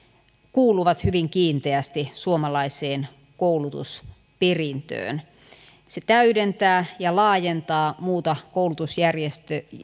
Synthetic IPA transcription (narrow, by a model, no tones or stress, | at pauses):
kuːluʋɑt̪hyʋiŋkiːnt̪eæst̪isuomɑlɑiseːn | koulut̪ṵs | perint̪ø̰ːn | set̪æydent̪æːjɑlɑːjent̪ɑːmuːt̪ɑkoulut̪usjærjest̪ø